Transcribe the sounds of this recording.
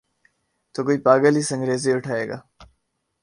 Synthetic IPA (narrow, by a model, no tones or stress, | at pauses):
t̪oːkoːiːpaːɡəliːsə̃ŋɡɾeːzeːʊʈʰaːeːɡa̰ː